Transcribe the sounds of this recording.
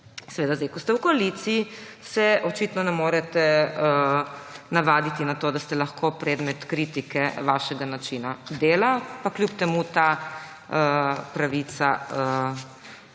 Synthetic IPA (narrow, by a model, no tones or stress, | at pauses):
sɛʋeːd̪azd̪ɛɪjkɔst̪ɛwkoalit̪siisɛʔɔt͡ʃiːt̪nɔnɛmoːɾɛt̪ɛ | naʋaːd̪it̪inat̪oːd̪ast̪ɛlaxkʰopɾɛːd̪mɛt̪kɾiːt̪ikɛʋaʃɛɡanat͡ʃinad̪eːlapakljup̚t̪ɛmut̪a | əpɾaʋit̪saə